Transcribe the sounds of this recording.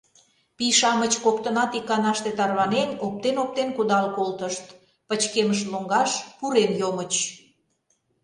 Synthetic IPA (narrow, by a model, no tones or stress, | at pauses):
piʃɑmət͡ɕkok̚t̪ənɑt̪ikːɑnɑʃt̪et̪ɑrβɑnenop̚t̪enop̚t̪enkud̪ɑlkolt̪əʃt̪ | pət͡ɕkeməʃloŋɡɑʃpuɾenjomət͡ɕ